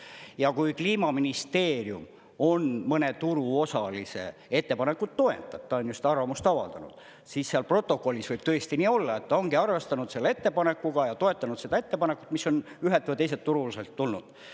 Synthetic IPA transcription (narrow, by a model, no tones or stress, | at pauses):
jɑkujkliːmɑminist̪e̞ːrjṵm | o̞nmɤne̞t̪uɾuo̞sɑlise̞̰e̞t̪ːe̞pɑne̞kːut̪t̪ːo̞ḛt̪ːˑɑb̥̚t̪ːɑonjust̪ɑrvɑmust̪ɑvɑ̰ld̪ɑnṵd̪̥ | sisseɑlpro̞t̪ːˑo̞ko̞lʲːisv̥ɤjb̥̚t̪øest̪iniːo̞lːɑe̞t̪ːɑoŋɡiɑrve̞st̪ɑnud̪̥se̞lːee̞t̪ːe̞pɑne̞kːˑuɡ̥ɑjɑt̪o̞e̞t̪ːˑɑnud̪̥se̞d̪ɑe̞t̪ːe̞pɑne̞kːˑu̥t̪misːo̞nyɦelt̪vɨjt̪e̞jse̞t̪ːuɾuliselt̪ːulnud̪̥